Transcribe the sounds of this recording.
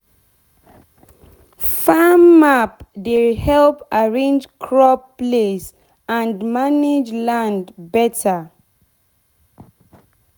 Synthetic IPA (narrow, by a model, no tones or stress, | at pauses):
famapdelhɛlpaɹẽnd͡ʒkʰɹɔpples | ãndmaned͡ʒlãndbɛtʰa